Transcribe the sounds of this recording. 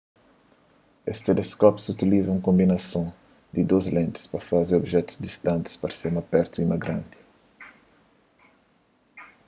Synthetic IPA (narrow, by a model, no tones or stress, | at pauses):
est̪eleskɔpzut̪ilizɐ̃w̃kõmbinɐsõ | d̪id̪ozlẽnt̪ɪ̥spɐfazeɾobʒɛt̪u̥zd̪ist̪ɐ̃nt̪i̥spɐɾsemɐpɛɾt̪uimɐɡɾãnt̪i̥